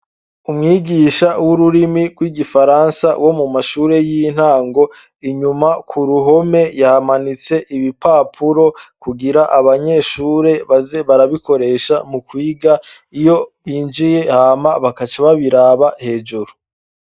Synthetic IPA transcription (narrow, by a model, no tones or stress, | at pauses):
umŋiːɡiːʃawuɾuɾimiɡ̥wiːɡifaɾansa̰wo̞mumaʃuːɾe̞jin̥haːŋɡo̞ | iɲumakʰuɾuɦo̞me̞jahamanit͡se̞ʔiβipaːpʰuɾo̞kuɡiɾaʔaβaɲe̞ːʃuːɾe̞βazeβaɾaβiko̞ɾe̞ːʃamukwiːɡa | ijo̞βiːnd͡ʒije̞haːmaβakat͡ʃaβaβiɾaːβahe̞ːd͡ʒuɾu